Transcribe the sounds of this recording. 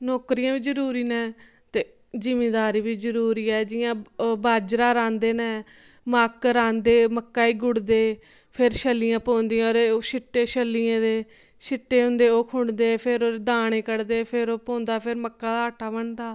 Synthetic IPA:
nɔːkɾijãːʋiːd͡ʒəɾuːɾiːnɛː | t̪eː | zɪmeːd̪aːɾiːʋiːzəɾuːɾiːɛːd͡ʒɪjãːbaːd͡ʒɾaːɾãːnd̪eːnɛːmaːkɾãːnd̪eːməkːaːiːɡʊɽd̪eː | pʰɪɾʃəlːijãːpõːnd̪ijãːɾeoʃɪʈːeːʃəlːiːẽːd̪eː | ʃɪʈːeːɦʊ̃nd̪eːoːkʰʊɳd̪eːpʰɪɾoːed̪aːɽ̃eːkəɽd̪eːpʰɪɾoːpõːnd̪aːpʰɪɾməkːãːd̪aːəːʈʰaːbəɳd̪aː

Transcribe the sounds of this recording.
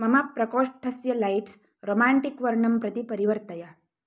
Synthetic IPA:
mɐmapɾɐkoːʂʈʰəsjəlaiʈs | ɾomaɳʈikʋəɾɳəmpɾɐt̪ipɐɾiʋəɾt̪əja

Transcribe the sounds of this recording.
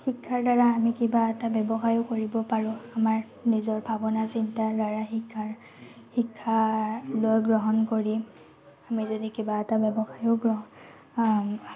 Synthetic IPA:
xikʰːaɹdaɹaːmikibaɛtabɛbɔxajokoɹibɔpaɹʊ̃amaɹ | nizɔɹbʱabɔnasintadaɹaxikʰːaɹ | xikʰːalojɡɹɔɦɔnkoɹi | amizodikibaɛtabɛbɔxajoɡɹɔɦ

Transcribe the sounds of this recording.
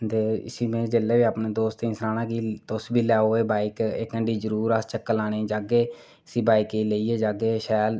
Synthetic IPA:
t̪eːɪ̰siːmẽːd͡ʒeːleːbiːaːpnẽːd̪oːst̪ĩːnsɾaːnãːkiːt̪ʊsbiːlɛːoːeːbaːikḛːkːəɳɖiːzəɾuːɾəst͡ʃəkːəlaːɽẽːd͡ʒaːɡeː | sĩːbaːiːkiːleiːeːd͡ʒaːɡeːʃɛːl

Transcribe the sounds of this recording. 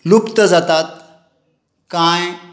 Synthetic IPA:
lukt̪əd͡zat̪at̪̚ | kãj

